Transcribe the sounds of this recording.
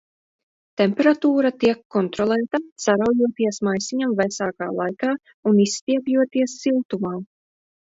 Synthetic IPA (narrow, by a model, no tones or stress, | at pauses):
t̪emʲpɛɾat̪uːɾat̪iɛkːɔnt̪ɾɔlˠɛːt̪asaɾawjuɔt̪iɛsmajsiɲamvɛsaːka̰ːlˠajkaː | unisːt̪iɛpjuɔt̪iɛsːilˠt̪umaː